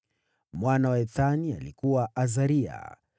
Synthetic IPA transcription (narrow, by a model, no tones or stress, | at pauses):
mwanawaɛθania̰likuwaʔazaɾia̰